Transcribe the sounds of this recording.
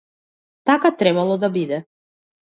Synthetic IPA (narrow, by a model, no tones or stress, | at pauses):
t̪akat̪ɾɛbalˠɔd̪abid̪ɛ